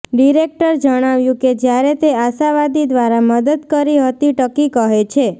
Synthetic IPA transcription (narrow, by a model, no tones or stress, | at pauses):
ɖiɾek̚ʈəɾd͡ʒəɽ̃aʋjũked͡ʒjaɾet̪eaʃaʋad̪id̪ʋaɾaməd̪əd̪kəɾiɦət̪iʈəkikəɦet͡ʃʰe